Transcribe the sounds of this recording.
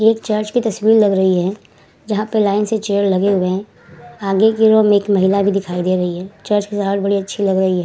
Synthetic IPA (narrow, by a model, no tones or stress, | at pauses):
eːkt͡ʃəɾt͡ʃkit̪ɐswiːɾlɐɡɾɐɦiɦɛ | d͡ʒɐɦãpəlaːɪnset͡ʃeːəɾlɐɡeɦʊe | aːɡekiɾomẽːkmɐɦɪlabʱid̪ɪkʰaːid̪eɾɐɦiɦɛːt͡ʃəɾt͡ʃkisaːʈ̪bɐɽiɐtːʃʰilɐɡɾɐɦiɦɛː